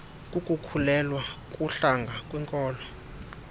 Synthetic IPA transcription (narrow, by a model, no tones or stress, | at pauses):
kʼukʼukʰulɛlwakʼuɬaŋɡʱakʼwɛŋkʼɔːlɔ